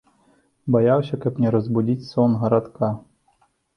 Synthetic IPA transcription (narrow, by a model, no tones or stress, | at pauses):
bɐjawsʲɐkɐpnʲɛɾɔzbʊdʲitʲsɔnɦɐɾat̪ka